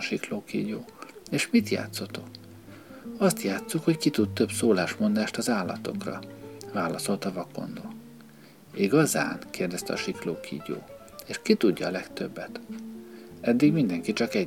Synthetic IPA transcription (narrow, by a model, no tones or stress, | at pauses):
ʃikloːkḭːɟoːeːʃmit̪ja̰ːt̪sot̪o̞k | ɒst̪jaːt̪sukhockit̪ut̪t̪ø̞bsoːlaːʃmo̞nd̪aːʃt̪ɒzaːlːɒ̰t̪o̞̰krɒ̰vaːlɒso̞lt̪ɒvɒko̞̰nd̪oː | iɡɒza̰ːnkeːrd̪ɛst̪ɛ̰ɒʃikloːkʰḭːɟo̰ː | eːʃkit̪uɟːɒːlɛkt̪øbːɛt̪ | ɛd̪ːiɡmind̪ɛŋkit͡ʃɒkɛ